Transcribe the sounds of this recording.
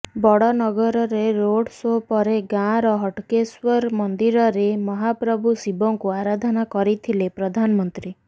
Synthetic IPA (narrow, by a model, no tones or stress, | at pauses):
bɔɽɔnɔɡɔɾɔɾeɾoɽsopɔɾeɡãɾɔɦɔʈkeswɔɾmɔnd̪iɾɔɾemɔɦapɾɔbʱusibɔŋkuaɾad̪ʱɔnakɔɾit̪ʰilepɾɔd̪ʱanɔmɔnt̪ɾi